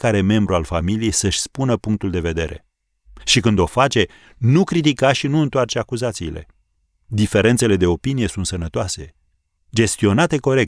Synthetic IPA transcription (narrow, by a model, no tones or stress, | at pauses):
kaɾe̞me̞mbɾualfamilije̞jsəʃʲspunəpuŋk̚t̪uld̪e̞ve̞d̪e̞ɾe̞̰ | ʃikɨnd̪o̞fat͡ʃe̞ | nukɾit̪̬ikaʃinuɨnt̪oart͡ʃeakuzat̪siːle̞̰ | d̪ife̞ɾe̞nt̪se̞le̞d̪e̞o̞pinije̞sunt̪sənət̪oase̞ | d͡ʒe̞st̪io̞nat̪e̞ko̞ɾe̞k̚